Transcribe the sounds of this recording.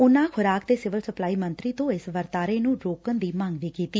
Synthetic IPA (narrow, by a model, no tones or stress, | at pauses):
ʊnãːkʰʊɾaːkd̪eːsɪʋəlsəplaːiːmənt̪ɾiːt̪õːɪsʋəɾt̪aːɾeːnũːɖɾoːkənd̪iːmãŋɡʋiːkiːt̪iː